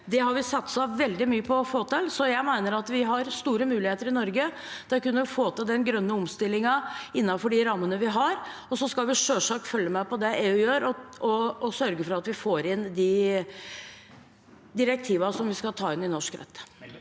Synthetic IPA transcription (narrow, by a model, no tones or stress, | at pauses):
d̪ɛɦɑɾʋɪsɑt̪sɑʋɛld̪ɪmyːəpʰɔfoːt̪ɪlsɔjæɪmæɪnəɾɑt̪ʋɪɦɑɾst̪uːɾəmʉːlɪheːt̪əɾɪnɔɾɡə | d̪̥ɛkʉnːəɾɔfoːt̪ɪld̪ɛnɡɾœnːəɔmst̪ɪlːɪŋɑɪnːɑfɔɖɪɾɑmːənəʋɪɦɑɾ | ɔsɔskɑlʋɪʂøːʂɑːkfœljəmæɪpɔd̪ɛʔeːʉjøːɾɔɔɔsœɾɡəfɔɾɑt̪ʋɪfoːɾɪnd̪ɪ | d̪ɪɾɛk̚t̪ʰiːʋɑsɔmʋɪskɑlt̪ʰɑːɪnɪnɔʂkɾɛ̰t̪ː